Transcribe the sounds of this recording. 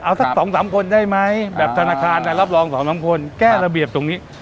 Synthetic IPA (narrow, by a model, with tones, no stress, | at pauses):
ʔa˧wt̪ʰa˦˥sɔː˩˦ŋsaː˩˦mkʰo˧ndaː˥˩jma˦˥jbɛː˨˩p̚t̪ʰa˧naː˧kʰaː˧nla˧jɾa˦˥˩p̚lɔː˧ŋsɔː˩˦ŋsaː˩˦mkʰo˧nkɛː˥˩ɾa˧bi˨˩əp̚t̪o˧ŋniː˦˥